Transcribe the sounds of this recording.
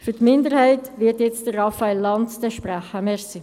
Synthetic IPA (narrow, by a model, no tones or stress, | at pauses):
fytmɪndəɾhæɪtvɪtjɛt͡st̚d̥əɾrɑfaelːɑntdɛʃpɾæχəmɛsi